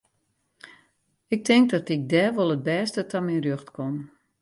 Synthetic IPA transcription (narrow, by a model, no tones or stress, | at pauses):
ɪk̚tʰɪŋk̚dɔtɪk̚dɛːʋolˠət̚bɛːstətʰɔmɛnrjøxtkʰon